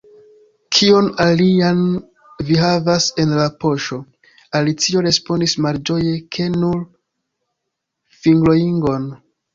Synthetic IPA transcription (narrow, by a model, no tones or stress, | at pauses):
kʰio̞nalian | vihavase̞nlapo̞ʃo̞ | alit͡sio̞ɾe̞spo̞ndismald͡ʒo̞je̞kʰe̞nuɾ | fiŋɡlo̞jiŋɡo̞n